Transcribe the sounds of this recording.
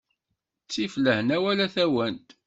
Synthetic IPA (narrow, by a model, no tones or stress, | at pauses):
t͡sːifləhənæwælæθæwænt̪